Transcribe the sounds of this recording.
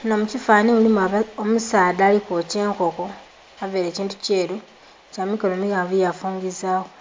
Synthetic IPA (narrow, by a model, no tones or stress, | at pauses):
nomucifaːnimulimaomusaːdaːlikoce̞ːŋko̞ko̞ | aveːɾeːciːntuce̞ːɾu | camikolomiɣaːɱvujafuːŋɡizaːxo